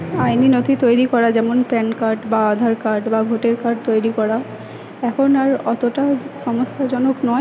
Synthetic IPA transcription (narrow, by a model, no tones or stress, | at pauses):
ajninot̪ʰit̪ojɾikɔɹad͡ʑɛmonpɛnkaɹʈbaad̪ʱaɾkaɾʈbaɡʱoʈeɹkaɾʈt̪ojɾikɔɹa | ɛkʰonaɹɔt̪oʈasɔmosːad͡ʑɔnoknɔj